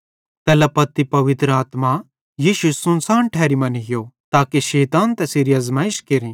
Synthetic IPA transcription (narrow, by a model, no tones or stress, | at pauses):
t̪ɛːlɐpɐt̪ːipɐʋɪt̪ɾəaːt̪ma | jiːʃusʊnsaːɳʈʰɛːɾimɐnɡɪjot̪aːkiʃɛːt̪aːnt̪ɛsɪɾijɐzmãːɪʃkeɾĩː